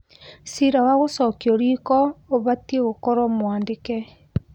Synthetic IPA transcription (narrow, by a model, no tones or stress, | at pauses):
siɾawaɣosɔkiɔɾikɔoβatieɣokɔɾɔmwaːndekɛ